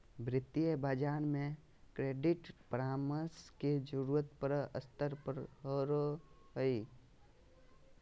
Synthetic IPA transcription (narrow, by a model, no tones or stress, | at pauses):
bɾɪt̪ːijəbad͡ʒaːnmẽ | kɾeːɖɪʈpɾaːməsked͡ʒəɾuət̪pəɾə̰st̪əɾpəɾɦəɾo | ɦəi